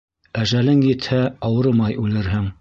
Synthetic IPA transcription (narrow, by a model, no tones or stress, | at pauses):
æʒælɘŋjɘ̆t̪hæɑwɤ̆ɾɤmɑjʉlɘ̆ɾɦɘŋ